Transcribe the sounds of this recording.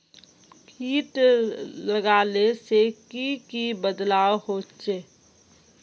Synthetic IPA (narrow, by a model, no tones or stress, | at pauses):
kiːʈləɡaːlesekikibəd̪laːwhoːt͡ʃeː